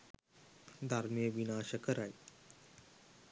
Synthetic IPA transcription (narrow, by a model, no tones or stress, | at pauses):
d̪ʱaɾmijəʋinaːɕəkəɾaj